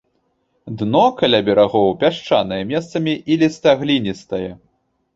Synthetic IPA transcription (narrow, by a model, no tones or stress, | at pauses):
d̪nɔkalʲabʲɛɾaɣɔwpʲaʂt͡ʂanɐjɛmʲɛst̪sɐmʲiʔilʲist̪aɣlʲinʲist̪ɐjɛ